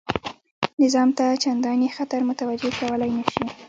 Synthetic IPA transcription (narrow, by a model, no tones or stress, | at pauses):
nɪzɑmt̪at͡ʃand̪ɑnexat̪aɾmʊt̪awad͡ʒekawəlajnaʃi